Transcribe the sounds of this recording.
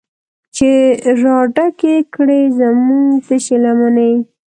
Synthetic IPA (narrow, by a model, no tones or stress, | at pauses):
t͡ʃeɾɑɖakekɽezamuŋt̪əʃelamanej